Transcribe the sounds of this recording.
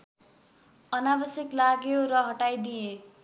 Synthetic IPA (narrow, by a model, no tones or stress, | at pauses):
ʌnabʌsjʌklaɡjoɾʌɦʌʈajd̪ije